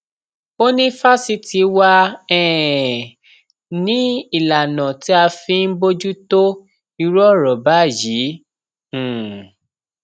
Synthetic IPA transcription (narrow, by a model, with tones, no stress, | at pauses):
o˦nĩ˦fa˦si˧ti˨˦wa˧ɛ̃˦˨ | nĩ˨˦i˨la˨nã˨ti˦a˧fĩ˧n̩˦bo˦d͡ʒu˦to˦ | i˧ɾɔ˦˨ɾɔ˨ba˨˦˨jĩ˨˦˨